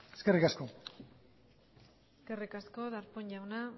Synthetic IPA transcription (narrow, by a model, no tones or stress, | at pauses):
eskerikasko̞ | eskerikasko̞ðaɾpoɲʎawna